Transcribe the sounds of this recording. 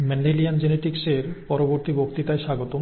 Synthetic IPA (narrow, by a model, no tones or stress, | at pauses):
mɛnɖeliand͡ʑeneʈikseɾpɔɾoboɾt̪ibokt̪it̪aeʃaɡot̪o